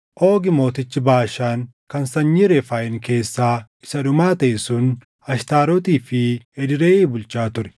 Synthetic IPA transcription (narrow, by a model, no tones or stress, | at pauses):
ʔo̞ːɡɪmo̞ːt̪ɪt͡ʃːɪbaːʃaːŋ | kɐnsɐɲːiːɾefaːʔɪŋke̞ːsːaː | ɪsɐᶑʊmaːt̪ɐʔɪsʊn | ɐʃt̪aːɾɔt̪iːfɪɛd̪ɪɾeːeːbʊlt͡ʃːaːt̪ʊɾɛ̥